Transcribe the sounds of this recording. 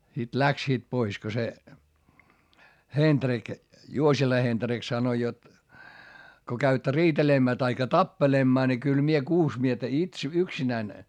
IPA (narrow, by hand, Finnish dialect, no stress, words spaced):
sit læksiːt pois ko se hend̥rik juosilɑ hend̥rik sɑnoĭ jot ko kæytːæ riːtelemːæː tɑikːɑ tɑpːelemːɑː ni kyl mie kuːs miestæ its yksinæĭn